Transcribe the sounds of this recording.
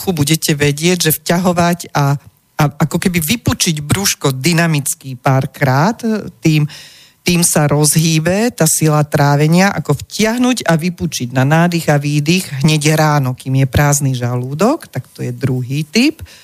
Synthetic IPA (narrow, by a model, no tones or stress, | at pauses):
xubuɟɛcɛʋɛɟɪɛɟʒɛfcaɦɔʋaca | aakɔkɛbiʋiput͡ʃiɟbɾuʃkɔd̪inamit͡skiːpaːɾkɾaːt̪ːiːm | t̪iːmsaɾɔzɦiːbɛt̪aːsilat̪ɾaːʋɛɲɪaʔa̰kɔfcɪaɦnuɟaʋiput͡ʃiɟnanaːd̪iɣaʋiːd̪iɣɦɲɛɟɾaːnɔkiːmjɛpɾaːzniʒaluːd̪ɔkt̪akt̪ɔjɛd̪ɾuɦiːt̪ip